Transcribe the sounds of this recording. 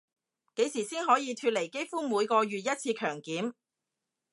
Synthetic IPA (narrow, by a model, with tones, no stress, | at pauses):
ke˨˥jsiː˨˩siː˥nɦɔː˨˥jiː˨˧t̪ʰyː˧t̚le˨˩jke˥jfuː˥muː˨˧jkɔː˧ɥyː˨t̚jɐ˥t̚t͡sʰiː˧kʰœː˨˩ŋkiː˨˥m